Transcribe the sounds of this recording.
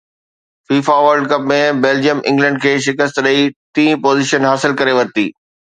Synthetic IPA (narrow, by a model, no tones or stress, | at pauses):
fiːfaʋɐɾɖkɐp̚mẽbeːld͡ʑijəmʔɪ̰̃ŋɡlɛ̃ɳɖ̚kʰeːʃɪkəst̪ɾəit̪ĩːpoːzɪːʃənɦaːsɪlkɐɾeʋɐɾt̪iː